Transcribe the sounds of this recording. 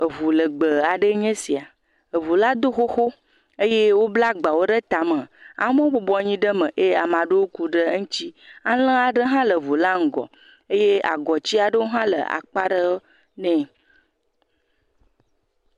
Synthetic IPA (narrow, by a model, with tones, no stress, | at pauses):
ə˨vu˨lə˨ɡ͡bə˨a˨ɖə˦ɲẽ˦si˨a˨ | ə˨vu˨la˦d̪o˦xo˦xo˦ | e˦je˦wo˦bla˦ɡ͡ba˨wo˦ɖə˦t̪a˨mə̃˨a̰˨˦mə̃˦wo˦bo˨bɔ˨˦ɲĩ˦ɖə˦mə̃˨ʔe˦a˨mã˨ɖe˦wo˦ku˦ɖə˦ŋ̩̃˦t͡ɕi˦a˦lə̃˦a˨ɖə˦ɦã˦lə˨vu˨la˦ŋ̩˨ɡɔ̰˨ | e˦je˦a̰˨ɡɔ˨t͡ɕi˦a˨ɖə˦wo˦ɦã˦lə̰˨a̰˨k͡pa˦ɖə˦ | nɛ̃˦